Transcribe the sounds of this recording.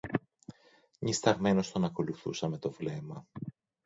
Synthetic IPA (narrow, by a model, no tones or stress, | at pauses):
ɲist̪ɐɣme̞no̞st̪o̞nɐko̞luθṵsɐme̞t̪o̞vle̞mɐ